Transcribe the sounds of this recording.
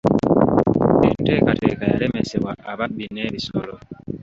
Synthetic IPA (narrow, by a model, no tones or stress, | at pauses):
bintɛkatɛkaja̰ɾɛmɛsɛwaʔabaʔ̚binːɛɾisɔlɔ